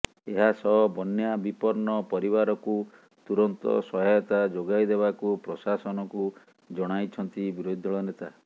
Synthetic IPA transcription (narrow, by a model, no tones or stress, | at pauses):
eɦasɔɦɔbɔnjabipɔɾɳɔpɔɾiβaɾɔku | t̪uɾɔnt̪ɔ̰sɔɦɔjɔt̪ad͡ʒoɡajd̪ebakupɾɔsasɔnɔku | d͡ʒɔɽ̃ajt͡ʃʰɔnt̪ibiɾod̪ʱɔɭɔnet̪a